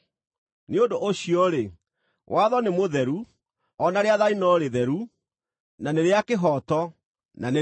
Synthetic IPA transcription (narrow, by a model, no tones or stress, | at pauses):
neondoʔoɕiɔɾe | wʔaðɔnemoðɛɾu | ɔnaɾeaðainɔɾeðɛɾu | naneɾeakeɦɔtɔ | nane